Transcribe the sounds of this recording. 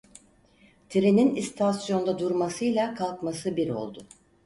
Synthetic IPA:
t̪ʰiɾeninist̪ʰasjo̞nd̪ad̪uɾmasɯjlˠakʰalˠkmasɯbiɾo̞̰lˠd̪ʊ

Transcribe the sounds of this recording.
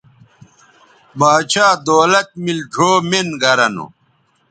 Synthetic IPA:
maːt͡ɕʰaːd̪oːlɐt̪̚milʈʰoːmenɡɐɾɐnṵ

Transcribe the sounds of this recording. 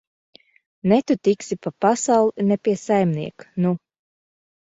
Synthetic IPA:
nɛt̪ut̪iksipapasawlˠinɛpiɛsajmniɛknu

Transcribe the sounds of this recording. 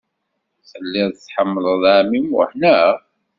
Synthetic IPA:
θəlːɪðt͡sːħəmːələðˤamimʊ̰hnæ

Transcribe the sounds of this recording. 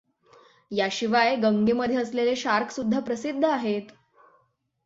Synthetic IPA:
jaɕiʋajɡəŋɡeməd̪ʱjeəsleleɕaɾkʰsud̪ʱːapɾəsid̪ʱːəaɦet̪

